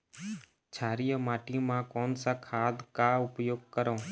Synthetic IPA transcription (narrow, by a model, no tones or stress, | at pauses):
t͡ʃʰaːɾijəmaːʈimãːkoːnsakʰaːd̪kaʊpjoːɡ̚kəɾõː